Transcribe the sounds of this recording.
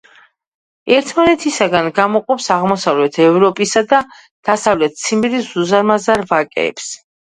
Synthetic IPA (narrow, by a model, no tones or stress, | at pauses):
ɛɾt̪ʰmanɛt̪ʰisaɡanɡamɔqʼɔpsaʁmɔsavlɛt̪ʰɛvɾɔpʼisad̪a | d̪̥asavlɛt̪̚ʰt̪sʰimiɾisz̥uzaɾmazaɾvakʼɛ̰ːps